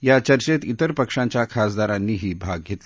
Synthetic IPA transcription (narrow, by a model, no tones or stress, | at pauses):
jat͡ɕəɾt͡ɕet̪it̪əɾpəkʂãɲt͡ɕjakʰasd̪aɾãnːiːɦiːbʱaɡ̚ɡʱet̪l